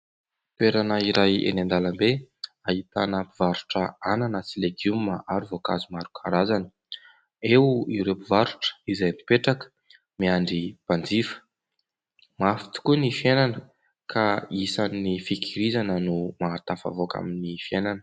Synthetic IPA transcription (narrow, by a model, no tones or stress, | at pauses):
peɾanaiɾʔajḛnand̪alambeahit̪a̰napivaɾu̥ʈ͡ʂəananət͡sileɡjumaʔaɾivoka̰zumaɾukʰaɾazani̥ | ewiɾepivaɾuʈ͡ʂə̥izajmipeʈ͡ʂakə̥ | miaɳɖ͡ʐipand͡zifə̥ | mafi̥t̪i̥kunifienanə | kʰaisanːifikiɾizanənumat̪afa̰voka̰minifienanə̥